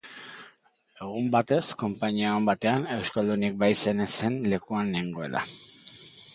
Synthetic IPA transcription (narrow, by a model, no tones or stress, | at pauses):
e̞ɣ̞umbat̪e̞sko̞mpaɲiaombat̪e̞ane̞wskald̪unik̚bajse̞nese̞nle̞kuaneŋɡo̞e̞la̰